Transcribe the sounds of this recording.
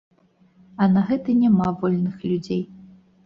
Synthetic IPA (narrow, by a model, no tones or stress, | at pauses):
ɐnɐɣɛt̪ɐnʲamavɔlʲnɨxlʲud͡zʲej